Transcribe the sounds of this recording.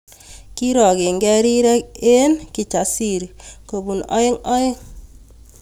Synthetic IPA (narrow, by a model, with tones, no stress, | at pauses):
ki˦ɾɔ˨ɡe˨ŋɡɛ˦ɾi˦ɾɛ˦ke˦nki˨t͡ʃa˨si˦˨ɾko˨bu˨nɔ̰˦jɪ˦ŋɔ˦ɪ˦ŋ